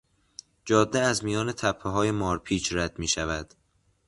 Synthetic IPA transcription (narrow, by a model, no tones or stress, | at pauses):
d͡ʒɒːd̪ːeæzmijɒːne̞t̪ʰæpʰːeɦɒːjemɒːɾpʰiːt͡ʃʰɾæd̪̥miːʃævæd̪̥